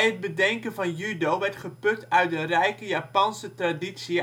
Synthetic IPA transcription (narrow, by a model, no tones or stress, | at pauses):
ət̚bədɛŋkənvɑnjydowʋɛrtχəpøk̚tœɥt̚dərɛjkəjaːpɑnsətradisi